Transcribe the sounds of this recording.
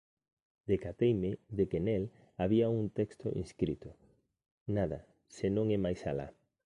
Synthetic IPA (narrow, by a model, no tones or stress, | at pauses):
d̪ekat̪ejmɪðekenel | aβiauŋt̪ɛkst̪ʊ̰ʔḭnskɾit̪ʊ | naðɐ̰ | senõŋɛmajsa̰la̰